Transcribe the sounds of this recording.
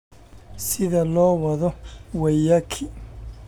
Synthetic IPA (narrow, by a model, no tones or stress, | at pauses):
sɪðɐlɔːwɐðɔwɛjɐkʰɪ